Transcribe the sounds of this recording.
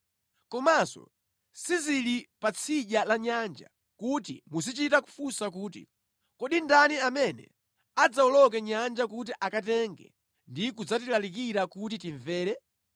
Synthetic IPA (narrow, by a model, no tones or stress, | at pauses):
kɔmasɔ̰ | sizilipat͡sʰiʄalaɲand͡ʒa̰ | kutḭmusit͡ʃitaku̥fusakuːtḭ | kɔɗindaniamɛnɛ̰ | ad͡zaɔlɔk̬ɛɲand͡ʒak̬ut̬iʔakatɛŋɡɛ̰ | ndik̬ud͡zatilalik̬iɾakut̬itiɱvɛːlɛ